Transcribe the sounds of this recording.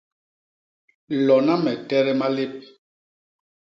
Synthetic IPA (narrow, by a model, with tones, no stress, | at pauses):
lɔ˨na˦mɛ˨tɛ˦ɾɛ˦ma˦le˦p̚